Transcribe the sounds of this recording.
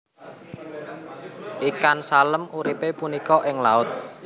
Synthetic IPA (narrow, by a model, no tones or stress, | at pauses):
ʔikansaləmuɾipepunikɔʔɪŋlaʊt̪̚